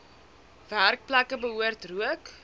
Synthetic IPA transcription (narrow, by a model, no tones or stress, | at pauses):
værk̚plækəbəɦuərtruək